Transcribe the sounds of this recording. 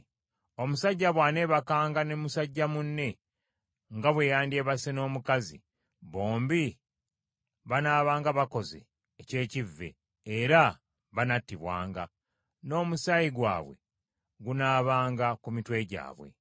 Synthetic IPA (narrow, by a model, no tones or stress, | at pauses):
o̞musaɟːaβwaːne̞βakaːŋɡanemusaɟːamunːe̞ | ŋɡaβwe̞ːjaːndie̞ːβaseno̞ːmukazḭ | βo̞ːmbi | βanaːβaːŋɡaβako̞ze̞̰ː | ce̞ːcivːe̞̰ː | ɾa | βanatːiβwa̰ːŋɡa | no̞ːmusajiɡwa̰ːβwe̞̰ | ɡunaːβaːŋɡakumitwe̞ɟa̰ːβwe̞̰